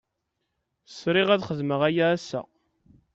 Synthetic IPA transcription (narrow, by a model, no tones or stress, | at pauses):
sɾɪʁæðχəðməʁæjaːsːæ̰